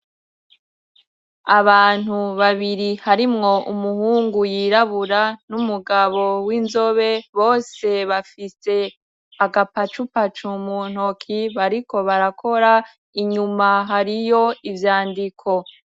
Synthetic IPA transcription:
aβaːn̥huβaβiɾihaɾimŋo̞ʔumuhuːŋɡujiːɾaβuɾanumuɡaβo̞winzo̞βe̞βo̞ːse̞βafise̞ | aɡapat͡ʃupat͡ʃumun̥hokʰiβaɾiko̞βaɾakʰo̞ɾa | iɲumaɦaɾijo̞ivjaːndikʰo̞

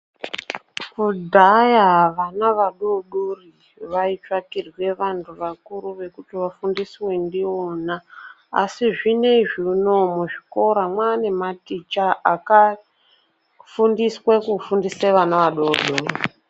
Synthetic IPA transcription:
kudʱajaɦaʋanaʋaɗoɗori | ʋait͡ʃwakirwe̞ʋantʰuʋakuɾuʋe̞kutiʋafundiswe̞ndiona | a̰siʐine̞ʐinomuʐiko̞ɾamwane̞matit͡ʃaaka | fundiswekufundiseʋanaʋaɗorɗoːri

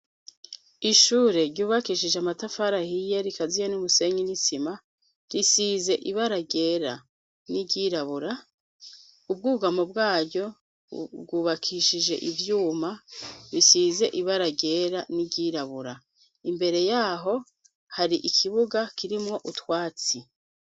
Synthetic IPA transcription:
iʃuːɾe̞ɾɟuːβakiʃiʒeamatafaɾahije̞ɾikazijenumuse̞ɲinisima | ɾisiːze̞ʔiβaɾaɟe̞ːɾa̰ | niɟiːɾaβuɾa | ub̚ɡuːɡamob̚ɡaːɟɟo̞ | b̚ɡuːβakʰiʃiʒe̞̰ʔivjuːmaβisize̞ʔiβaɾaɡe̞ɾaniɟiɾaβuɾa | imbe̞ɾe̞jaːɦo̞ | haɾiʔikʰiβuɡakiɾimŋo̞ʔutwaːt͡si

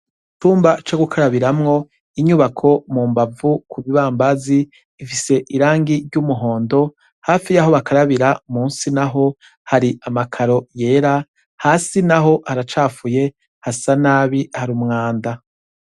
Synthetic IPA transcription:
tuːmbat͡ʃoɡukʰaɾaβiɾamŋo̞ | iɲuβakʰo̞muːmbavukʰuβiβaːmbaziː | fise̞ʔiɾaːŋɡiɾɟumuɦo̞ːndo̞ | haːfijaɦo̞βakaɾaβiɾamuːnsinaɦo̞ | haɾiʔamakʰaɾo̞je̞ːɾa | haːsinaɦo̞haɾat͡ʃaːfuje̞ | hasanaːβihaɾumŋaːnda

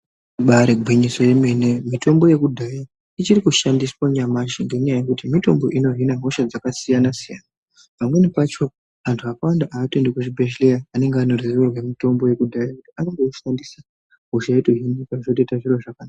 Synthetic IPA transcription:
ɓaɾeɡʱwiɲiso̞je̞me̞ne̞mito̞mbo̞je̞kudʱaja | it͡ʃirikuʃandiswaɲamaʃiŋɡe̞ɲajajekutimito̞mbo̞ʔino̞ɦinaɦo̞ʃad͡zakasijanasija̰na | pamwe̞nepat͡ʃo̞ | antʰuakawandaʔaːtendekuʐibʱeʃlejaːne̞ŋɡeanorirerwemito̞mbo̞je̞kudʱajakutianoŋɡoʃandisa | ɦo̞ʃaetoɦinikaʐotetaʐirwoʐakanaa

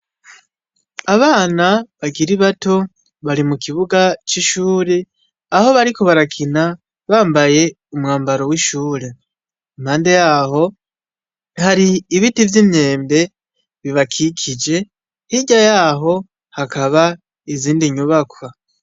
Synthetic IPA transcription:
aβaːnaβaɡiɾiβato̞ | βaɾimukiβuɡat͡ʃiʃuːɾe̞ | aho̞βaɾiko̞βaɾakʰina | βaːmbaje̞ | umŋaːmbaɾo̞wiʃuːɾe̞ | mhaːnde̞jaːho̞ | haɾiːβitivjimɲe̞ːmbe̞ | βiβakʰikʰid͡ʒe̞ | hiɟajaːɦo̞ | hakaβa | iziːndiɲuβakwa

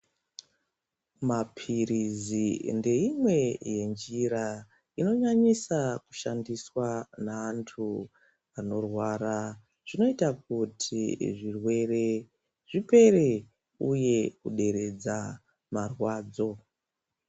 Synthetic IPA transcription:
mapʰiɾizinde̞imwe̞je̞nd͡ʒiɾa | ino̞ɲaɲisaku̥ʃandiswanaːntʰu | ano̞rwaɾa | ʐ̥ino̞itak̚utʰiʐirwe̞re̞ | ʐipe̞re̞ | uje̞kuɗe̞ɾe̞d͡za | marwaːd͡zo̞

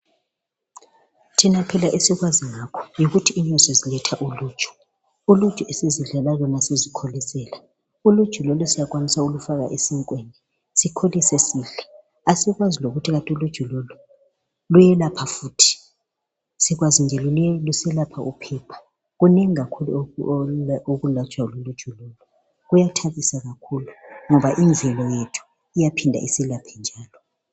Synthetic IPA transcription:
tʰinapʰɛlaʔesiɣwaziŋakʰɔ̥jiɣutʰiːnɔsɔzilɛtʰaʔuluːd̥ʒ̥ʱʼɔ̥ | ulud̥ʒ̥ʱɔesiziɮalaβɔnasezikʰolisɛːla | ulud̥ʒ̥ʱulɔlɔsijak̬ʼwanisaulufaɣa̰ʔesiŋkʼwenɛ | sikʰolisesiːɮa | asiɣwaziloɣutʰiɣatʼulud̥ʒ̥ʱɔlɔlɔ | lujɛlapʰafuːtʰi̥ | siɣwazind͡ʒʱɛlulɛlusɛlapʰaupʰɛːpʰḁ | ɣuneŋiɣakʰulu | oɣulat͡ʃʼwalulud̥ʒ̥ʱulɔlɔ | ɣujatʰaβisaɣakʰuluŋɔβaʔind͡zʱɛlɔjetʰu̥ | ijapʰindʱa̰ʔisilapʰɛnd͡ʒʱaːlɔ

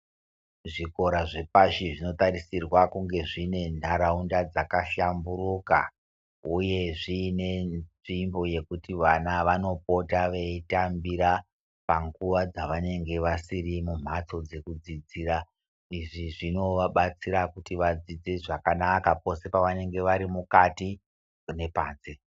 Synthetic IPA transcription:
ʐiko̞ɾaʐe̞paʃiʐino̞tarisirwakuŋɡe̞ʐine̞ndʱaɾaundad͡zakaʃamburuka̰ | uje̞ʐiːne̞nʐimbo̞je̞kutiʋanaʋano̞p̚o̞taʋeitambiɾa | paŋɡuʋad͡zaʋane̞ŋɡe̞ʋasirimum̤at͡so̞d͡ze̞kud͡zid͡ziːɾa | iʐiʐino̞ʋaɓat͡siɾakutiʋad͡zid͡zeʐakanakapo̞se̞paʋane̞ŋɡe̞ʋaɾimukati | ne̞paːnsi

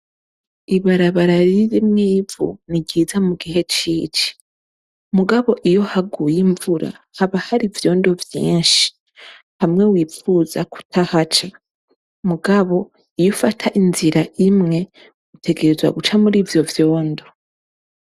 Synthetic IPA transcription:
iβaɾaβaɾaɾiɾimŋiːvṵniɟiːzamuɡiɦe̞t͡ʃiːt͡ʃi̥ | muɡaβo̞ʔijo̞haɡujiɱvuɾa̰haβahaɾivjo̞ːndo̞vjḭːnʃi̥ | hamŋe̞wiːfuːzaku̥tʰahat͡ʃa | muɡaβo̞ | ijofatʰaʔinziɾaʔimŋe̞ | ɡutʰe̞ɡe̞ɾe̞zwa̰ɡut͡ʃamuɾiːvjo̞vjo̞ːndo

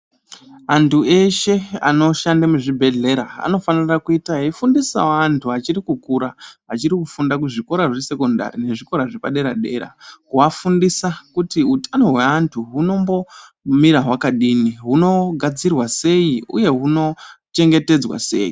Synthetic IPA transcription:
antʰue̞ʃe̞a̰no̞ʃandamuʐibʱe̞ɮe̞ɾaa̰no̞fanirakuitaifundisa̰wantʰuat͡ʃirikukuɾaat͡ʃirikufundakuʐiko̞ɾaʐese̞ko̞nda̰ɾine̞ʐiko̞ɾaʐepaɗe̞ɾaɗe̞̰ɾa̰kuafundisakutiutano̞ɦwe̞antʰuɦuno̞mbo̞ | miɾaɦwakaɗiniɦuno̞ɡʱad͡zirwase̞iṵje̞ɦuno̞t͡ʃe̞ŋɡe̞te̞d͡zwa̰se̞̰ːji

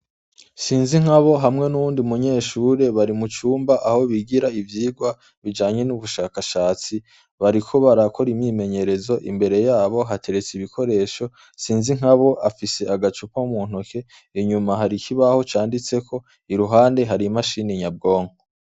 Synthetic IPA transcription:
siːnziŋ̥haβo̞ɦamŋe̞nuβuːndiumuɲe̞ːʃuːɾe̞βaɾimut͡ʃuːmbaʔaho̞βiɡiɾaivjiːɡwa | βid͡ʒaːɲe̞nuβuʃaːkaʃaːt͡si | βaɾikʰo̞βaɾakʰo̞ɾimɲiːme̞ɲe̞ɾe̞zo̞ʔimbe̞ɾe̞jaːβo̞ɦatʰe̞ɾe̞t͡siβikʰo̞ɾe̞ːʃo̞ | siːnziŋ̥aβo̞ʔafise̞aɡat͡ʃupaumuːn̥okʰe̞ | iɲumaɦaɾikiβaho̞t͡ʃaːndit͡se̞kʰo̞ | iɾuɦaːnde̞ɦaɾimaʃiːniɲab̚ɡo̞ːŋo

